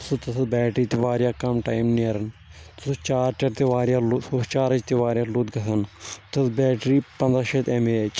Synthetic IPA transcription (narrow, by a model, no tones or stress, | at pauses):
sɨt̪ɐsʰɐbɛːʈɾiːt̪iʋaːɾjaːkɐmʈaːjmniɐɾɐnt̪sut͡ʃaːɾʈɐɾt̪eʋaːɾjaːlusoːst͡ʃaːɾɐt͡ʃt̪eʋaːɾjaːlut̪ɡɐsʰɐnt̪ɐsbɛːʈɾiːpɐnd̪ɾaːʃet̪emeːt͡ʃ